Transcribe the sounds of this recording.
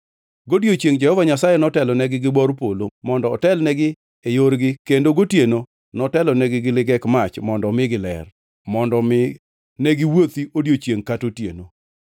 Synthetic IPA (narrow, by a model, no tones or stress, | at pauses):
ɡodjot͡ʃjeŋd͡ʒɛhɔvaɲasajenɔtɛlɔnɛɡɪɡɪbɔrpolomɔndɔːtɛlnɛɡɪ | ejoɾɡɪkendoɡotjeno | nɔtɛlɔnɛɡɪɡɪlɪɡɛkmat͡ʃmɔndɔmɪɡɪlɛ̰r | mɔndɔmɪ | nɛɡɪwot̪iodjot͡ʃjeŋkatotjḛno